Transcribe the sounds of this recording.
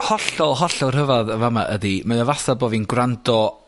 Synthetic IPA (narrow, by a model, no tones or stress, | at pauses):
hɔɬɔlˠɦɔɬɔlˠr̥əvaðəvamaʔədimajɔvasaboːvinɡrandɔ